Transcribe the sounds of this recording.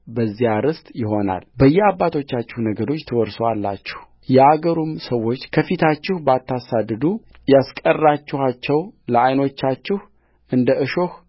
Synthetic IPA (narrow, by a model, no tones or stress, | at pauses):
bəzːijaɾɨst̪ʼjɪɦo̞na̰lbəjːɛabːat̪ʰo̞t͡ʃːat͡ʃːɪhnəɡəd̪o̞t͡ʃːt̪ʰəwɔɾsowalːa̰t͡ʃːɪ̥h | jɛaɡəɾumsəwːo̞t͡ʃːkʰəfit̪ʰat͡ʃːɪhbəat̪ʰːasad̪ɨd̪u | jaskʼərːat͡ʃːɪhat͡ʃːɛwləajno̞t͡ʃːat͡ʃːɪh | ʔɨnd̪əɨʃo̞h